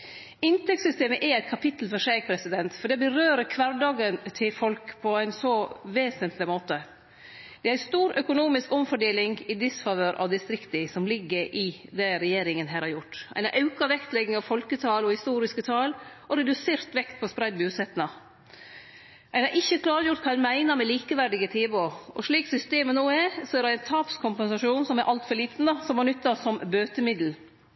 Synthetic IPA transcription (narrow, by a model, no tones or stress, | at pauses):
ɪnt̪ɛkt̪sʏst̪eːməʔɛæɪt̪̚kʰɑpʰɪt̪l̩fɔʂæːɡ̚pʰɾɛsɪd̪ɛnt̪fɔɖ̪ɛbəɾøːɾəkʰʋɑɾɖɑːɡənt̪ʰɪfɔlkpʰɔæɪnsɔʋeːsənt̪ʰlɪmoːt̪ə | d̪̥ɛæɪst̪uːɾœkʊnuːmɪskɔmfɔɖeːlɪŋɡɪd̪ɪsfɑʋøːɾʔɑ̰ʋd̪ɪst̪ɾɪkt̪ɪsɔmlɪɡːəɾʔɪd̪ɛɾɛjeːɾɪŋənɦæːɾhɑɾjʊʈːæ̰ɪnɑ̰ʔɑʉkɑʋɛkt̪lɛɡɪŋɑʋfɔlkət̪ʰɑːlɔhɪst̪uːɾɪskət̪ʰɑːlɔɾɛd̪ʉseːɾt̪ʋɛkt̪̚pʰɔspɾæɪd̪bʉːsɛt̪nɑ | ʔæɪnɑɾʔɪçːəkʰlɑːɾjʊʈt̪kʰɑːæɪnmæɪnəɾmɛliːkəʋæɾɖɪɡət̪ʰeːʋoɔ̰ʂɭiːksʏst̪eːmənuːɛsɔɛɾæɪnt̪ʰɑːpskʰʊmpɛnsɑʂuːnsɔmæɾʔɑlt̪fɔɾɭiːt̪n̩d̪ɑsɔmʋɑɳʏt̪ːɑsɔmbøːt̪əmɪd̪l̩